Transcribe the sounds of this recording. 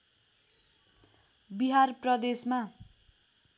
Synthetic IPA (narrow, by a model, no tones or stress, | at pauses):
biɦarprʌd̪esma